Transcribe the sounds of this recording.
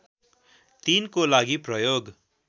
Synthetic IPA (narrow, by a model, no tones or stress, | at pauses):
t̪inkolaɡiprʌjoɡ